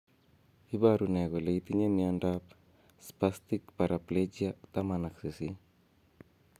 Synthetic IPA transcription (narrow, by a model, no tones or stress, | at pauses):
ibaɾunɛɣɔleit̪iɲemiandap | spast̪ikpaɾapled͡ʒiat̪amanaksisi